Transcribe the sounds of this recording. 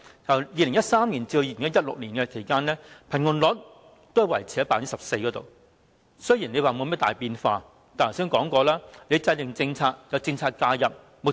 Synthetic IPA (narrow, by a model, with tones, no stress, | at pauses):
kɐ˨˩wjiː˨˧lɪ˨˩ŋjɐ˥t̚saː˥mliː˨˩nt͡siː˧d̪o˧iː˧lɪ˨˩ŋjɐ˥t̚jɐ˥t̚lʊ̰˨k̚liː˨˩nkɛː˧kʰe˨˩jkaː˥nlɛː˥pʰɐ˨˩nŋʊ˨nlɔː˨˥t̚ | t̪o˥jɐ˧wɐ˨˩jt͡sʰi˧˥hɐ˥jpaː˧˥ni˥sɐ˨p̚se˧jkɔː˨˥t̪o̰˨w | sɵ˥ji˨˩nle˨˧jwaː˨mo˨˧wmɛː˥t̪aː˨˩jpiː˧nfa̰ː˧ | t̪aː˨ntʰsiː˥ŋkɔː˨˥ŋkɔː˧laː˥le˨˧jt͡sɐ˧jlɪ˨ŋt͡sɪ˧ŋt͡sʰaː˧t̚jɐ˨˧wt͡sɪ˧ŋt͡sʰaː˧t̚kaː˧jɐ˨p̚ | m˨k̚